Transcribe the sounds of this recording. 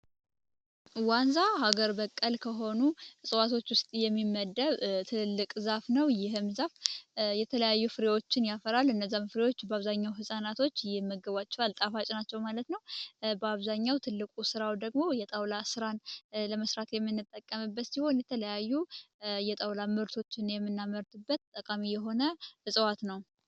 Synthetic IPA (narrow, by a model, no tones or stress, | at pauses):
wanzahaɡəɾbəkʼːəlkʰəɦo̞nusʼɨwat̪ʰo̞t͡ʃːwʊst̪ʼijɛmːimːəd̪ːəβt̪ʰɨlːɨkʼzafnəwjɪɦmzafjɛt̪ʰələjajːufɨɾewo̞t͡ʃːɪnjafəɾalɨnːəzːamfɨɾewot͡ʃːbəaβzaɲːawɦɨsʼanat̪ʰo̞t͡ʃːjɪhmːəɡəβat͡ʃːɛwalt̪ʼafat͡ʃʼɪnat͡ʃːɛwmalət̪nəwbəaβzaɲːawt̪ʰɨlːɨkʼusɨɾawd̪əɡmo̞jɛt̪ʼəwlasɨɾanləməsɾat̪jɛmːɨnːɨt̪ʼːəkʼːəmɨbːət̪siho̞njɛt̪ʰələjajːu | jɛt̪ʼəwlamɨɾt̪ʰo̞t͡ʃːɪnjɛmːɨnːaməɾt̪ʰɨbːət̪t̪ʼːəkʼamijɛɦo̞nəʔɨsʼəwat̪nəw